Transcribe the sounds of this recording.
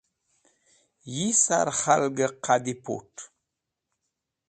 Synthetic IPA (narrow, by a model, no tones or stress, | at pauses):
jisa̰ɾhalɡəqʰadipo̰ʈ